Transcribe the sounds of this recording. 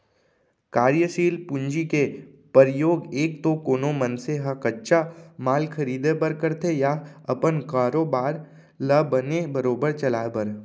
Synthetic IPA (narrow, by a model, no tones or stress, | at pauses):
kaːɾjəʃiːlpʊ̃ɲd͡ʒike | pəɾɪjoːɡeːk̚t̪okoːnomə̃nseɦəkɐtːʃamaːlkʰɐɾiːd̪ebəɾkəɾt̪ʰejaɐpənkaːɾoːbaːɾ | ləbənebɐɾoːbəɾt͡ʃɐlaːebɐɾ